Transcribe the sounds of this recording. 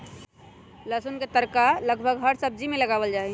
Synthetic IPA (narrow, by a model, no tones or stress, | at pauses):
ləsunket̪əɾkaləɡbʱəɡɦəɾsəb̚d͡ʒimẽləɡaːʋəld͡ʒaːɛ